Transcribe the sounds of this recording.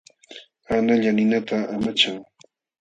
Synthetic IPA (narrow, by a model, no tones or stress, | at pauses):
anaʎanɪnat̪aamat͡ʃaŋ